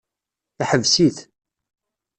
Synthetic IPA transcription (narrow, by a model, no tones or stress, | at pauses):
θaħəvsiθ